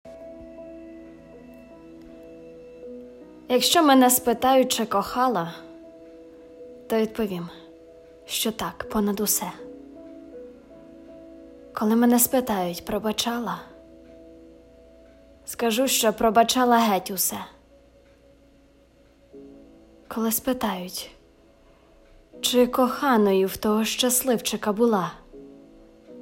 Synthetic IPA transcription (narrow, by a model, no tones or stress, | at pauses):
jɐkʃt͡ʃɔmɛnɛspɪt̪ɑjʊt̚ʲt͡ʃɪkɔxɑlˠɐ | t̪ɔʋʲid̪pɔʋʲim | ʃt͡ʃɔt̪ɑkpɔnɐd̪usɛ | kɔlˠɪmɛnɛspɪt̪ɑjʊtʲpɾɔbɐt͡ʃɑlˠɐ | skɐʒuʃt͡ʃɔpɾɔbɐt͡ʃɑlˠɐɦɛtʲʊsɛ | kɔlˠɪspɪt̪ɑjʊtʲ | t͡ʃɪkɔxɑnɔjʊwt̪ɔɦɔʃt͡ʃɐslˠɪwt͡ʃɪkɐbʊlˠɑ